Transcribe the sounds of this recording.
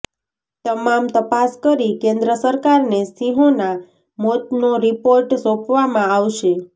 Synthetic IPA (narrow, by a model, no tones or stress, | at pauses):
t̪əmamt̪əpaskəɾikẽnd̪ɾəsəɾkaɾnesiɦõna | mot̪noɾipoɾʈsopʋamãaʋʃe